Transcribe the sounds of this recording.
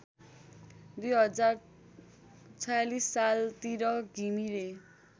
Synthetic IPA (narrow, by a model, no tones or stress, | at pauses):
d̪ujɦʌd͡zar | t͡sʰʌjalisːalt̪iɾʌɡʱimiɾe